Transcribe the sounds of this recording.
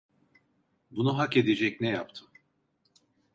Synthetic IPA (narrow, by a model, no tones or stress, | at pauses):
bunuɦaked̪ed͡ʒɛcnɛjapt̪ʰɯ